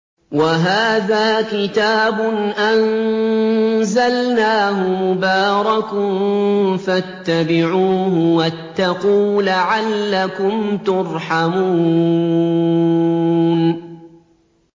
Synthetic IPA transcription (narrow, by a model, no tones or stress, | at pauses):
waɦaːðaːkɪt̪aːbʊnʔan | zalnaːɦʊmʊbaːɾˤɑkʊnfat̪ːabɪʕuːɦʊwat̪ːaquːlaʕalːakʊmt̪ʊɾˤħamuː | n